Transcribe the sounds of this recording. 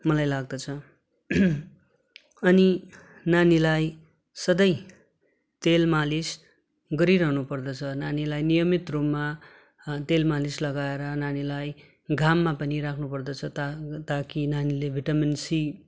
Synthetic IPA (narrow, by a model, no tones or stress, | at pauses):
mʌlajlaɡ̚d̪ʌt͡sʰʌ | ʌni | nanilaj | sʌd̪ʌj | t̪elmalis | ɡʌɾiɾʌɦnupʌrd̪ʌt͡sʰʌnanilajnijʌmit̪romːa | t̪elmalislʌɡaeɾʌnanilaj | ɡʱamːapʌniɾakʰnupʌrd̪ʌt͡sʰʌt̪at̪akinanilebʱiʈʌminsi